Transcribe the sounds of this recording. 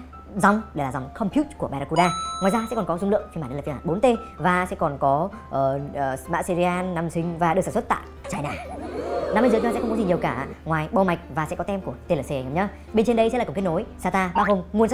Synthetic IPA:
za˨˩wŋ͡mɗe˧˩laː˨˩za˨˩wŋ͡mkʰɔ˧mpʰju˦˥t̚ku˧˩əɓaː˧ɾa˧ku˧ɗaː˧ŋaː˨jzaː˧sɛ̰˧˥kɔ˨˩nkɔ˨˦zʊ˧ŋ͡mlɨ̰˧˨əŋt̪i˧˩aː˧˩˨aː˧˩ɓo˨˦nt̪e˧vaː˨˩sɛ̰˧˥kɔ˨˩nkɔ˨˦ʔəː˨˩˨ma̰˧˥se˧zi˧ʔaː˧nːa˧msï˨˧ŋ̟vaː˨˩ɗɨ˨˩ksaː˧˩sʰt̚t̪a̰ː˧˨ | t͡ɕaː˧jnaː˨˩na˧me˧zɨ˨˦ɲɔ˧˩sɛ̰˧˥xə˧wkɔ˨˦zi˨˩ɲi˨˩əwkaː˧˩a̰˧˨ŋwaː˨˩jɓɔ˧˩ma˨˩jk̟̚vaː˨˩sɛ̰˧˥kɔ˨˦t̪ɛ˧mku˧˩ət̪e˧ləː˨˩se˧˩ŋaː˨˦mɲə˨˧˦ | ɓe˧nt͡ɕe˧nɗə˧jsɛ̰˧˥laː˨˧˨kt̚no˨˦jsaː˧t̪aː˧ɓaː˧ɦo˧mŋu˧əns

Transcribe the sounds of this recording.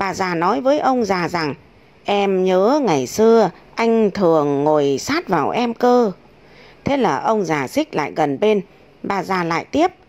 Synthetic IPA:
ɓaː˨˩zaː˨˩nɔ˨˦jvəː˨˦jʔə˧wŋ͡mzaː˨˩za˨˩ŋ | ʔɛ˧mɲəː˨˦ŋa˨˩jsɨ˧ə | ʔa˧jŋ̟t̪ʰɨ˨˩əŋːo˨˩jsaː˦˥t̚vaː˨˩wʔɛ˧mkəː˧ | t̪ʰe˨˦laː˨˩ʔə˧wŋ͡mzaː˨˩sï˦˥k̚la̰ː˧˨jɣə˨˩nɓe˧n | ɓaː˨˩zaː˨˩la̰ː˧˨jt̪i˦˥əp̚

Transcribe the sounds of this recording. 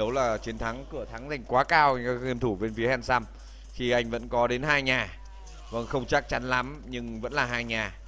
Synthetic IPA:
ə˨˦wlaː˨˩t͡ɕi˨˦ənt̪ʰa˨˦ŋkɨ˧˩ət̪ʰa˨˦ŋza˨˩jŋ̟kwaː˨˦kaː˧wɣi˧əmt̪ʰu˧˩ve˧nfi˨˦əhɛ˧˩nsaː˧m | xi˧ʔa˧jŋ̟və̰˧˥nkɔ˨˦ɗe˨˦nɦaː˧jɲaː˨˩ | və˧˩nxə˧wŋ͡mt͡ɕa˦˥k̚t͡ɕa˨˦nla˨˦mɲɨ˧ŋvə̰˧˥nlaː˨˩ɦaː˧jɲaː˨˩

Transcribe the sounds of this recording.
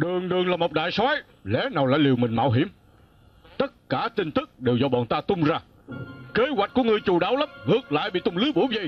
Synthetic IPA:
ɗɨ˨˩əŋɗɨ˨˩əŋlaː˨˩mo˨˩wk͡p̚ɗa̰ː˧˨jsɔ˨˦j | lɛ˨˦naː˨˩wla̰ː˧˨jli˨˩wmï˨˩ŋ̟ma̰ː˧wɦḭ˧˩˥əm | t̪ə˦˥t̚kaː˧˩t̪ï˧ŋ̟t̪ɨ˦˥k̚ɗe˨˩wzɔ˧ɓɔ̰˧˨nt̪aː˧t̪ʊ˧ŋ͡mzaː˧ | ke˨˦wa˨˩jk̟̚ku˧˦əŋɨ˨˩əjt͡ɕu˨˩ɗaː˨˦wlə˦˥m̚ŋɨ˨˩ək̚la̰ː˧˨jɓḭ˧˨t̪ʊ˧ŋ͡mlɨ˨˦jɓu˧˦jvjə˧j

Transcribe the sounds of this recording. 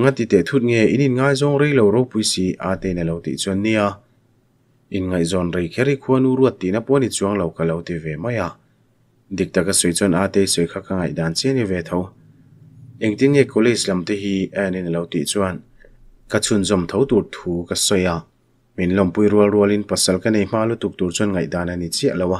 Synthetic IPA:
ŋa˦t̪i˨t̪ɛ˨t̪ʰu˧t̪̚ŋɛ˧˨i˧˦ni˧nŋaː˧jzɔ˧ŋɾe˧jlo˨wɾo˧wpu˨˧jsi˧˨ʔa˧t̪e˧jnɐ˨lo˧wt̪ḭ˨ʔt͡su˧˦nːi˧a˧ | ʔi˨nŋa˨jzɔ˨nɾe˨jkʰɛ˦˥ɾi˧kʰu˧˦ɐ˦nu˧˦ɾu˧ət̪̚ːi˨na˧pɔ˦ni˧t͡su˧əŋlo˨wka˨lo˨˧wt̪i˧vɛ˨mɐ˦ja˧˨ | d̪i˨k̚t̪a˨ka˧sɔ˨jt͡sɔ˧naː˧t̪e˧jsɔ˨jkʰa˧ka˧ŋa˧jdaː˨nt͡sɛ˦ni˧vɛ˧˨t̪ʰɔ˧w | ʔɛ˨ŋt̪i˦nŋɛ˧kɔ˧wle˦islɐ˨mt̪iɦi˧ani˧nɐ˨lɔ˨˧wt̪ḭ˧˨t͡suɐ˧n | kɐ˧t͡sʰu˧nzɔ˨mt̪ʰɔ˧˦wt̪u˨rt̪ʰuː˨kɐ˧sɔ˧ja˧˨ | mi˨nlɔ˧mpu˧jɾu˧əlru˧əli˦npɐ˨sɐ˧lkɐne˧jm̥aː˧lu˦t̪u˨k̚t̪u˨ɾt͡sɔ˧˦nŋa˨jdaː˨na˧ni˨t͡si˦ə˨ʔlɔ˧wa˧

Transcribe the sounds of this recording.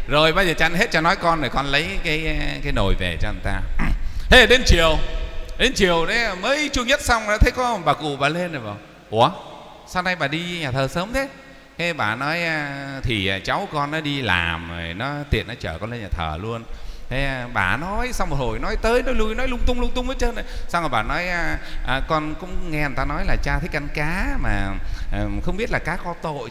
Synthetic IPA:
zo˨˩jɓaː˧zəː˨˩t͡ɕa˧nɦe˦˥t̚t͡ɕɔ˧nɔ˨˦jkɔ˧nɗo˨˩jkɔ˧nlə˨˦jkaː˨˦jkaː˨˦jno˨˩jve˨˩t͡ɕɔ˧ə˧˩t̪aː˧t̪ʰe˨˦˨ɗe˧mt͡ɕi˨˩əwɗe˧nt͡ɕi˨˩əwɗə˨˦jməː˨˦jt͡ɕu˧əɲə˦˥t̚sa˧wŋ͡ma˧˦t̪ʰə˨˦jkɔ˨˦˨ɓaː˨˩kṵ˧˩˨ɓa̰ː˨˩le˧nə˨˩jɓa̰ː˨˩w | ʔu˧˩ə | saː˧wna˧jɓaː˨˩ɗi˧ɲaː˨˩t̪ʰəː˨˩səː˨˦mt̪ʰe˨˦ | t̪ʰe˨˦ɓaː˧˩nɔ˨˦jt̪ʰi˨˩˨t͡ɕa˨˦wkɔ˧nːɔ˨˦ɗi˧la̰ː˨˩m˨˩jnɔ˨˦t̪ḭ˨˩ənːɔ˨˦t͡ɕəː˧˩kɔ˧nle˧nɲaː˨˩t̪ʰə̰ː˨˩lu˧ənt̪ʰe˨˦˧ɓa̰ː˧˩nɔ˨˦jsa˧wŋ͡mmo˨˩ho̰˧˨jnɔ˨˦jt̪əː˨˦jnɔ˨˦jlu˧jnɔ˨˦jlʊ˧ŋ͡mt̪ʊ˧ŋ͡mlʊ˧ŋ͡mt̪ʊ˧ŋ͡mmə˨˦t͡ɕəː˧nə˨˩jsaː˧wŋɔ˨˩ɓaː˧˨˩nɔ˨˦jʔkɔ˧nkʊ̰˧˥wŋ͡mŋɛ˧n˨˩t̪aː˧nɔ˨˦jlaː˨˩t͡ɕaː˧t̪ʰə˨˦jk̚a˧˦nkaː˨˦maː˨˩˨ | xə˧ŋ͡mɓi˦˥ət̚laː˨˩kaː˨˦˥kɔ˨˦t̪o̰˧˨j

